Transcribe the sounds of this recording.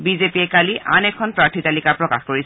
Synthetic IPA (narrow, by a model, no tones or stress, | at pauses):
bizepiɛkaliʔʔa̰nɛkʰɔnpɹaɹtʰitalikaɹpɹɔka̰xkoɹisɛ